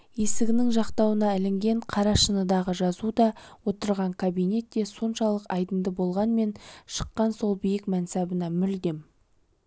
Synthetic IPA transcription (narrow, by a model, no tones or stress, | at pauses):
je̞sɪɡʲɪnɪŋʒɑqt̪ɑwənɑɪlɪŋɡʲe̞ɴqʰɑɾɑʃənəd̪ɑʁəʒɑzud̪ɑwo̞t̪əɾʁɑɴkʰabijne̞t̪ːe̞so̞nʃɑlˠəqɑjd̪ənd̪əbo̞lˠʁɑnme̞nʃə̥qːɑnso̞lˠbijɪkmænsæbənɑmʏld̪e̞m